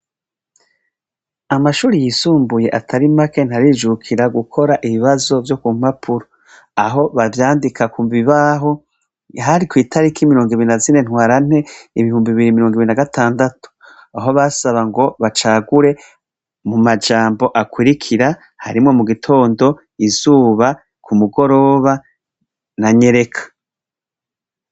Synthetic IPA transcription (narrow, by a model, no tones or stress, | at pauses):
amaʃuːɾijiːsuːmbuje̞ʔatʰaɾimake̞n̥haɾiːd͡ʒukʰiɾaɡukʰo̞ɾaʔiβiβazo̞vjo̞kum̥hapʰuɾo | aɦo̞βavjaːndikʰakuːmbiβaɦo̞ | ɦaɾikwiːtʰaɾikʰimiɾo̞ːŋɡiβiɾinazine̞nhwaːɾan̥e̞iβihuːmbiiβiɾimiɾo̞ːŋɡiβiɾinaɡatʰaːndatu̥ | aɦoβasaβaŋɡo̞βat͡ʃaːɡuɾe̞ | mumad͡ʒaːmbo̞ʔakwiɾikʰiɾa | ha̰ɾimŋo̞muɡitʰo̞ːndo̞ | izuːβa | kʰumuɡo̞ɾo̞ːβa | naɲe̞ɾe̞kʰḁ